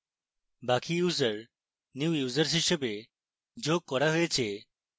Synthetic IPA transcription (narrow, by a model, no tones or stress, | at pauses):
bakijuzəɾ | nuwjuzəɾs̬ɦiʃebe | d͡ʒoɡ̚kɔɾaɦojet͡ʃʰe